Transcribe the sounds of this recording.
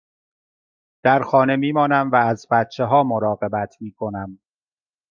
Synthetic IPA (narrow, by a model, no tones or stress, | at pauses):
d̪̥æɾxɒːne̞miːmɒːnæmvæːzbæt̪̚t͡ʃʰeɦɒːmoɾɒːɢe̞bæt̪ʰmiːkʰo̞næm